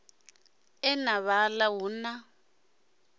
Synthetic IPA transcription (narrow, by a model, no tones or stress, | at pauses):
ɛnaβalawuna